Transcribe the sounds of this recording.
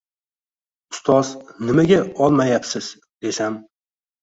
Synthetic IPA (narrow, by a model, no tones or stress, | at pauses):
ʊ̥st̪ʰɒznɪmaɡʲaɒlˠmajapsɪz | d̪e̞sam